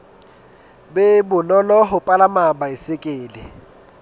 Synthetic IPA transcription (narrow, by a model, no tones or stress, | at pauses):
bɛbʊnɔlɔɦʊpʼalamabaisɪkʼeːlɪ